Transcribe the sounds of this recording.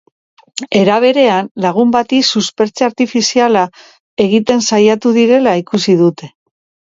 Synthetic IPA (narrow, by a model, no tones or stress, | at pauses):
e̞ɾaβ̞e̞ɾe̞anlaɣ̞umbat̪isuspe̞ɾt͡seaɾt̪ifisiala | e̞ɣ̞it̪e̞nsajat̪uðiɾe̞laikusiðut̪e̞̥